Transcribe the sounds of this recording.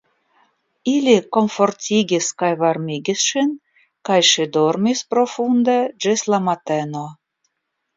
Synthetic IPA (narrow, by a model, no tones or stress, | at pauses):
ilʲikomfortʲiɡʲiskɑjvɑrmʲiɡʲisʃin | kɑjʃed̪ormʲisprofund̪ɑd͡ʒeslɑmɑt̪eno